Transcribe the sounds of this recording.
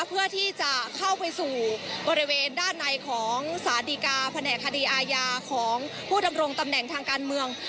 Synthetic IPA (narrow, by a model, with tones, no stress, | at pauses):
pʰɯ˥˩ɐt̪ʰiː˥˩t͡ɕa˨˩kʰa˥˩wpa˧jsuː˨˩bɔː˧ɾi˦˥weː˧ndaː˥˩nːa˧jkʰɔː˩˦ŋsaː˨˦diː˧kaː˧pʰa˧nɛː˨˩kʰːa˧diː˧ʔaː˧jaː˧kʰɔː˩˦ŋ | pʰuː˥˩da˧mɾo˧ŋt̪a˧mnɛ˨˩ŋt̪ʰaː˧ŋkaː˧nmɯ˧əŋ